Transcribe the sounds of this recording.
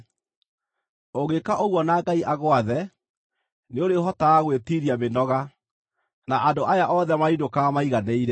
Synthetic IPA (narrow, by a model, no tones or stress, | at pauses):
oɣekaʔoɣwɔnaːɡaiʔaɣoaðɛ | neoɾeoɦɔtaaɣwetiɾiamenɔɣa | naʔandoʔajaʔɔðɛmaindokamaiɣaneiɾɛ